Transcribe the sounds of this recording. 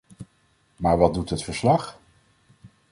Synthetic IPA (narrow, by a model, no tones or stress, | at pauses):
maːɹʋɑd̚dutɦətfəɹslɑχ